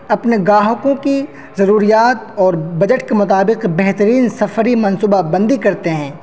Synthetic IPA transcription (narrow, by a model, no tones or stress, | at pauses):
ɐpneɡaːɦkõki | zɐɾuːɾijaːt̪ɔːɾbɐd͡ʒəʈkemʊt̪aːbɪqbɛɦt̪əɾiːnsɐfəɾimɐnsuːbabɐ̃nd̪ikɐɾt̪eɦɛ̃ː